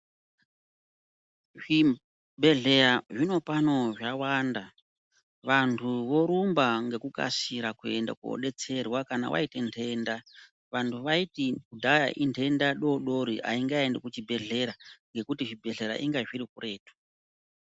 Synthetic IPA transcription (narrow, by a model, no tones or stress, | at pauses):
ʐ̥i | bʱe̞ɮe̞ɾaʐino̞pano̞ʐawanda | ʋantʰuʋo̞ɾumbaŋɡe̞kuka̰siɾakue̞nda̰kuo̰ɗe̞t͡se̞rwakana̰wʔa̰itentʰe̞nda | ʋantʰuʋaitikudʱaja̰ʔintʰe̞ndaɗo̞ɗo̞ɾiʔa̰iŋɡaendekut͡ʃibʱe̞ɮe̞ɾaŋɡe̞kutiʐibʱe̞ɮe̞ɾa̰ʔiŋɡaʐiɾikure̞ːtʰu̥